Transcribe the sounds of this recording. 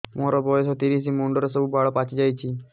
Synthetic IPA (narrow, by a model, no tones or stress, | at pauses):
moɾɔbɔjesɔt̪iɾis̬imuɳɖɔɾesɔbubaɭɔpat͡ʃid͡ʒajt͡ʃʰi